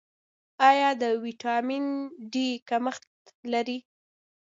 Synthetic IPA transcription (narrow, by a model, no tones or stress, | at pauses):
ɑjɑd̪əwiʈɑminɖikaməxt̪laɾi